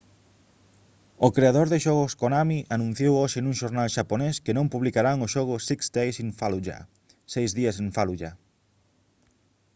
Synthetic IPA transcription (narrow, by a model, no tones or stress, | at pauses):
okɾeaðoɾðɪʃɔɣʊskonamiʔanũn̟θjowoʃɪnũŋʃoɾnalʃaponeskɪnõmpuβlikaɾaŋʊʃɔɣ̞ʊsiksd̪ejsiɱfaluʒa̰ | sejzðiɐseɱfaluʎa